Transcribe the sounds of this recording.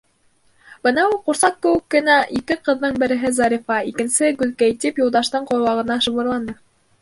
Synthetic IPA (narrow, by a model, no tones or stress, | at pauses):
b̥ɤnɑulˠquɾsɑq̚ːɘ̆wɘ̆kːɘ̆næʔikɘqɤ̆ðːɤɴbɘ̆ɾɘ̆ɦɘzɑɾʲifɑikɘ̆nsɘɡɵ̆ðkæjt̪ipjulˠd̪ɑʃt̪ɤɴqŏɾwɑʁɤ̆nɑʃɤ̆βɤ̆ɾlˠɑnd̪ɤ